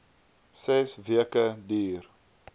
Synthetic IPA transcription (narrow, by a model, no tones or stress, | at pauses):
sɛsviəkədyːr